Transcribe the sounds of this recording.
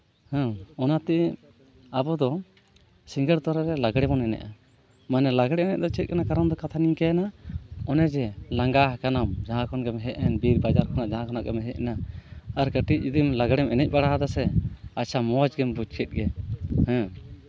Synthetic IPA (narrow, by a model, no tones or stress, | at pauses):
hɛ̃ɔnat̪ɛʔɛ | abɔd̪ɔ | siŋɡəɾt̪ɔɾaɾɛlaɡɽɛbɔnɛnɛ̰ʔa | manɛlaɡɽɛɛnɛ̰ʔd̪ɔt͡ʃɛt̪̚kanakaɾɔnd̪ɔkat̪ʰaniɲkanaɔnɛd͡ʒɛlaŋɡaɦkanamd͡ʒaɦãkɔnɡɛmɛɦɛʔɛnbiɾbad͡ʒaɾkʰɔnaʔd͡ʒaɦãkʰɔnaʔɡɛmɛɦɛʔɛnaːɾkəʈic̚ud̪imlaɡɽɛmɛnɛc̚baɽaɦad̪asɛat͡ʃamɔad͡ʒɡɛmbud͡ʒkɛt̪̚ɡɛhɛ̃